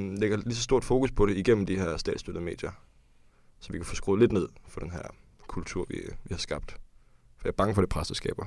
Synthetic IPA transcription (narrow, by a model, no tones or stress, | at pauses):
leɡ̥ɐlis̬ɒ̽sd̥o̝ɐ̰d̥fo̝ːkuspʰɒ̽ɾe̝iɡ̥en̰m̩d̥ihæɐ̰sd̥ɛ̰ːdsd̥ød̥ð̩ˠme̝̰ːd̥jɐ | sɒ̽ʋikʰæfosɡ̥ʁoːle̝d̥ne̝ð̞̰ˠfɒ̽d̥enɦæɐ̰ | kʰult͡sʰuɐ̰ʋḭʋihɑ̈sɡ̥ɑ̈b̥d̥fɒ̥jɑ̈ɐb̥ɑ̈ŋəfɒd̥epʰʁasd̥ɐsɡ̥ɛ̰ːb̥ɐ